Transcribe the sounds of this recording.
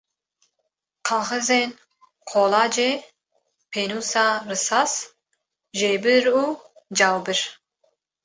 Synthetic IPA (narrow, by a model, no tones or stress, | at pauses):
qʰɑːɣɨzen | qʰoːlɑːd͡ʒe | pʰeːnuːsarɨsɑs | ʒeːbɨɾu | d͡ʒɑːwbɨɾ